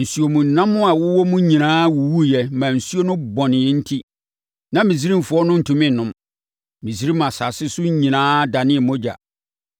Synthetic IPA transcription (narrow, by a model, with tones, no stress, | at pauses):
n̩˨su˦o˨mũ˨n̩˨nã˦mːʊ̃˦a˨wʊ˦wɔ˦mũ˦ɲĩ˨nãː˦wu˨wu˦jɛ˨mã˨n̩˨su˦o˦nʊ̃˦bɔ̃˨nɪ̃˨ɛ˦n̩˦tʰi˦ | nã˨mĩ˨s̬i˦ɾĩ˦m̩˨fʊ˨˦ɔ˦nʊ̃˦n̩˨tʰũ˨mɪ̃˦˨nʊ̃˦m | mĩ˨si˦ɾi˦m˨ã˨sa˨sɪ˦sʊ˦ɲĩ˨nãː˦da˨nɪ̃˦ɛ˨mɔ̃˦d͡ʑa̰˨